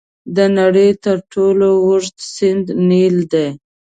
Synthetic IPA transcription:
d̪ənaɽəjt̪əɾʈolowʊʐt̪sɪnd̪nild̪aj

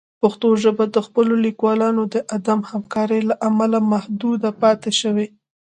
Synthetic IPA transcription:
paxt̪oʒəbad̪əxpəlolikwɑlɑnod̪əʔad̪amhamkɑɾəjlaʔamalamahd̪ud̪apɑt̪eʃəwe

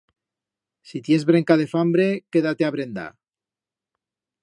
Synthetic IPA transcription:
sit̪jezβɾe̞ŋkað̞e̞fambɾe̞ke̞ðat̪e̞aβɾe̞nd̪a̰

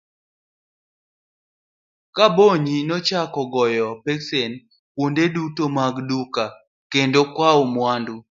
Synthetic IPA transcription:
kaboɲinɔt͡ʃakɔɡɔjɔpeksen | pwondedutomaɡduka | kendokwaomwandu

